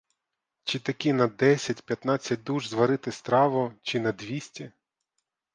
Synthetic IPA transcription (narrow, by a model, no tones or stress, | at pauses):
t͡ʃɪt̪ɐkʲinɐd̪ɛsʲɐtʲpʲjɐt̪nɑt͡sʲːɐt̚ʲd̪uʒzʋɐɾɪt̪ɪst̪ɾɑʋʊt͡ʃɪnɐd̪ʋʲisʲtʲɐ